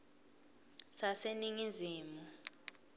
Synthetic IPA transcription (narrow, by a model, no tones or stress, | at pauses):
saseniŋiziːmu